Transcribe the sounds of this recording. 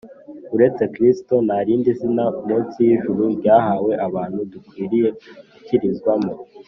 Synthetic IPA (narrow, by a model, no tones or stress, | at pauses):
uɾe̞t͡se̞kɾisto̞naɾiːndizinamuːt͡sijiʒuɾubɟaːɦaːwe̞ʔaβaːn̥hudukwiːɾije̞uciɾizɡwamo